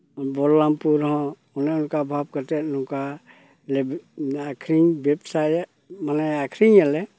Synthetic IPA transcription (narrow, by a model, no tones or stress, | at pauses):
bɔɾlampuɾɦɔ̃ | unɛʊnkabʱab̚kəɾt̪ɛtnũka | lebakʰɾiɲbepsaj | manajakʰɾiɲalɛ